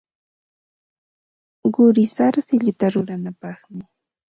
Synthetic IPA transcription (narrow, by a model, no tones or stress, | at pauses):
ɢʊɾɪsaɾsɪʎʊt̪aɾʊɾanapɑχmɪ